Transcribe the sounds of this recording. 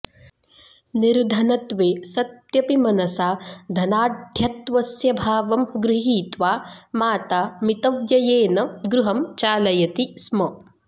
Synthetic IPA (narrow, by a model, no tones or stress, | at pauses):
niɾd̪ʱɐnɐt̪ʋeːsɐt̪jɐpimɐnɐsaːd̪ʱɐnaːɖʱjɐt̪ʋɐsjɐbʱaːʋɐmɡɾɪɦiːt̪ʋaːmaːt̪aːmit̪ɐʋjɐjeːnɐɡɾuɦɐmt͡ʃaːlɐjɐt̪ismɐ